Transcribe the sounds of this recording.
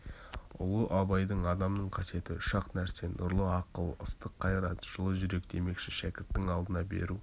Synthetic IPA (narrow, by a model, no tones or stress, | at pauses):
ʊ̰lˠəʔɑbɑjd̪əɴɑd̪ɑmnəɴqʰɑse̞t̪ɪʊʃɑqnæɾse̞nʔʊɾlˠəɑqəlˠə̰st̪əqʰːɑjɾɑt̪ʒ̥əlˠəʒʏɾe̞kd̪e̞me̞kʃɪʃækʲɪɾt̪ːɪŋɑlˠd̪ənɑbe̞̰ɾu